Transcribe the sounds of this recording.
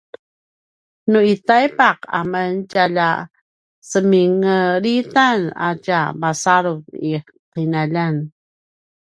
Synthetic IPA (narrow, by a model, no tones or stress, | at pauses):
nuitajpaqa̰məncaʎa | səmiŋəɾitana̰cabasaɾuvi | qinaʎan